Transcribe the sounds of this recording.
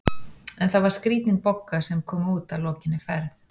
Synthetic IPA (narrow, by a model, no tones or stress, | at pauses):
ɛnθavaɾ̥skɾiːt̪nɪnpɔkːasɛmkʰɔːmuːt̪alɔːcɪnːɪfɛɾθ